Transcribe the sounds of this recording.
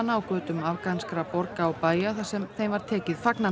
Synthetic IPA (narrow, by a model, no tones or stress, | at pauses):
nawkvœːt̪ʏmavkanskɾapɔɾkaawpaːjaθasɛmθejmvaɾ̥t̪ʰɛːcɪð̥fakna